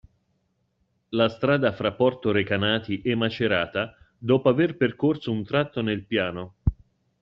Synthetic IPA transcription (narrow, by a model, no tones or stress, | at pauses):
last̪ɾaːd̪afɾapːɔrt̪oɾekanaːt̪iʔɛmːat͡ʃeɾaːt̪a | d̪ɔːpoaverperkorsount̪ɾat̪ːonelpjaːno